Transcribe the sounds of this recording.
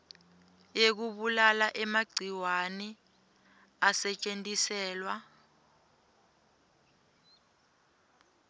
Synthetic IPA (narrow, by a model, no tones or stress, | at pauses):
jek̬uɓulalaʔɛmaɡ͡ǀʱiwanɛ | asɛt͡ʃʼentʼisɛːlwa